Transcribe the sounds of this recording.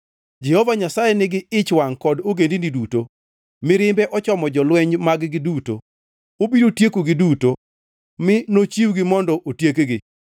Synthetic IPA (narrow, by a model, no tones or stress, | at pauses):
d͡ʒɛhɔvaɲasajɛnɪɡɪɪt͡ʃwaŋkɔdoɡendiniduto | mɪɾɪmbɛʔɔt͡ʃɔmɔd͡ʒɔlwɛɲmaɡɡɪduto̰ | obidotjekuɡɪduto | mɪnot͡ʃiwɡɪmɔndɔʔotjekɡɪ